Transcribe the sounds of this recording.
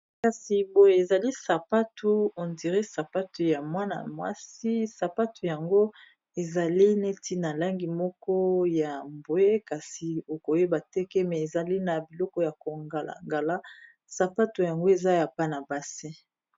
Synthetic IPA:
ka˨si˨bo˨je˨e˨za˨li˦sa˨pa˦tʰu˦o˨ndi˨ʁe˦sa˨pa˦tu˨ja˨mwa˦na̰˨mwa̰˦si˦sa˨pa˦tʰu˨ja˨ŋɡo˦ | e˨za˨li˦ne˦ti˦na˨la˦ŋɡi˨mɔ˦kɔ˦ja˨mbo˨e˦ka˨si˨o˨ko˨je˦ba˨tɛ˦kɛ˦mɛ˨e˨za˨li˦na˨bi˨lɔ˦kɔ˦ja˨ko˨ŋɡa˨la̰˨ŋɡa˨la˦ | sa˨pa˦tu˨ja˨ŋɡo˦e˨za˦ja˨pa˦na˨ba˨si˦

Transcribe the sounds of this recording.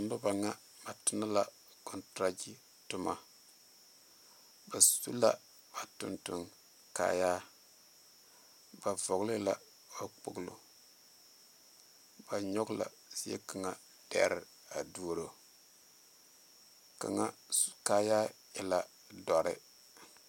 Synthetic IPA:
m˦lʊ˦ba˨ŋa˦ | ba˨tʊ˨na˦la˨ | kɔ˨ntɾa˦d͡ʒi˦ | tʊ˦ma˦ | ba˨su˦la˦ | ba˨tʊ˨ntʊ˨ŋ | ka̰˦jaː˦ | ba˨vɔ˨ɣlɪ˦la˦˨ | ba˨k͡po˨ɡlo̰˨ | ba˨ɲɔ˦ɡla̰˨ | si˦ḛ˦ka˨ŋa˨ | d̥ɛ̰˦ɾɪ˨ | a˨du˦ɾo˨ | ka̰˨ŋa˦su̥˨ka˦jaː˦ | ɪ˨la˨ | dɔ˨ɾɪ̰˦

